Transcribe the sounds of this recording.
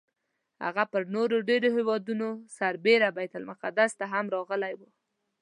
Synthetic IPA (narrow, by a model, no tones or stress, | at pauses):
ha̰ɣapəɾnoɾoɖeɾoɦewɑd̪unosaɾbeɾabajt̪almʊqad̪ast̪aɦamɾɑɣəlajwu